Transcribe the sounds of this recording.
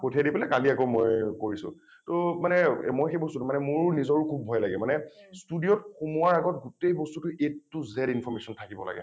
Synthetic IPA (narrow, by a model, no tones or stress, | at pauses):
kotʰiadipɛlɛkaliakomɔ̰jkoɹisʊ̰̃ | tomanɛmojxejbɔstutʊmanɛmʊɹnizɔɹʊkʰubːʱɔjla̰ɡɛmanɛstudijɔtxumuaɹaɡɔt̚ɡutejbɔstutʊʔetːʊzɛdinfʰɔɹmesɔntʰakibɔ̰la̰ɡɛ̰